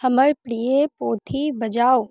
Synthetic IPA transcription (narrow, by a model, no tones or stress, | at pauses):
hɐməɭpɽijepoːt̪ʰibɐd͡ʒaːo